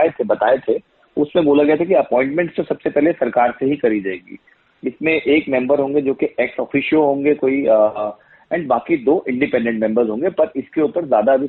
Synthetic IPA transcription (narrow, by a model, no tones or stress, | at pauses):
et̪ʰebɐt̪aːet̪ʰe | ʊsmẽboːlaɡɐet̪ʰekiɐpɔ̃ːɪ̃ɳʈmɛ̃ɳʈst̪osɐbsepɛɦlesɐɾkaːɾseɦikɐɾid͡ʒaːeːɡḭː | ɪsmẽʔeːkmɛ̃mbəɾɦõːŋɡed͡ʒoːkeʔɛːksɔːfʰiːʃioɦõːŋɡekoːi | ɛ̃ːɳɖbaːkid̪oːʔɪ̃ɳɖɪpɛ̃ɳɖɛ̃ɳʈ̚mɛ̃mbəɾzɦõːŋɡepɐɾɪskeupəɾzjaːd̪abʱi